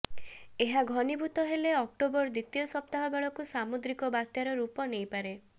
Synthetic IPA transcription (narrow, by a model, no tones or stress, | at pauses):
eɦaɡʱɔnibʱut̪ɔɦeleɔk̚ʈobɔɾd̪it̪ijɔsɔp̚t̪aɦɔbeɭɔkusamud̪ɾikɔbat̪jaɾɔɾupɔnejpaɾe